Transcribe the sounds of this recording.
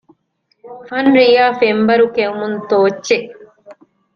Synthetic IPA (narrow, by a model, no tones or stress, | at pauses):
fɐnɾijaːfembɐɾukeumunt̪oːt͡ʃːe